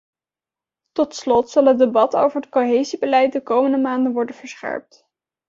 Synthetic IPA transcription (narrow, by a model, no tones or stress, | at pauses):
tɔtslɔtsɑlˠəd̚ebɑto̰wvəɹət̚koɦejzibəlɛjt̚dəkowməndəmaːndənʋɔɹdənvəɹsχɛ̰ɹp̚t